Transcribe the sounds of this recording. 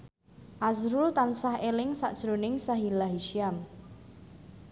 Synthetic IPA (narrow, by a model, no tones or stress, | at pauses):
ʔazɾult̪ansahelɪŋsa̰ʔd̥ʒ̥ɾonɪŋsaɦilaɦiʃiam